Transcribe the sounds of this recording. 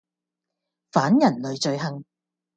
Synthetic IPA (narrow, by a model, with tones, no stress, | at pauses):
faː˨˥njɐ˨˩nlɵ˨˧ɥt͡ʃɵ˧ɥɦɐ˨˧ŋ